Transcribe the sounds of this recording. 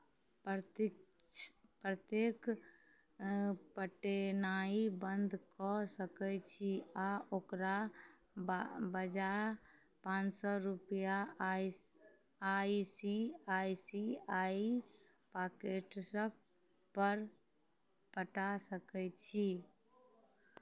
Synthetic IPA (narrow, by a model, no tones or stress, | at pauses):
p | pɾət̪ek | pəʈenaibənd̪ʱkɔsəkɛt͡ʃʰiaʔokɾa | bəd͡ʒa | pãt͡ʃsɔɾupja | aisiajsiai | pakeʈsə | pəɾ | pəʈasəkɛt͡ʃʰi